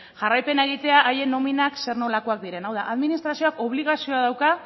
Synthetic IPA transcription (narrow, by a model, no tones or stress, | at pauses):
ʝarajpe̞neɣ̞it̪e̞aʔaje̞no̞minakse̞ɾno̞lako̞ak̚d̪iɾe̞nawðaʔaðminist̪ɾasio̞ako̞βliɣ̞asio̞aðawka